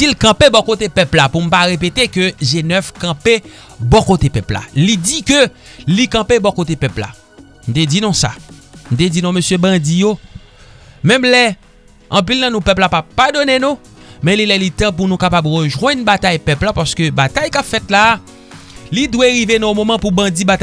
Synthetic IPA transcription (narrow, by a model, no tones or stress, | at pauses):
silkɐ̃pebɔkot̪epɛplapum̩paʁep̬et̪ekøʒenœfkɐ̃pe | bɔkot̪epɛpla̰lid͡zikø | likɐ̃pebɔkot̬epɛpla̰ | m̩t̪̬ed͡zinɔ̃sa̰m̩t̪̬ed͡zinɔ̃møsjøbɐ̃d͡zijo | mɛ̃mlɛ | ɐ̃pilnɐ̃nũpɛplapapːadonenũ | mɛ̃lilɛlit̪ɐ̃p̬unũkapabʁøʒwɛ̃nbat̪ajpɛplãpaskøbat̪ajkapfɛt̪la | lidweɣivenɔ̃õmomãpubɐ̃d͡zibata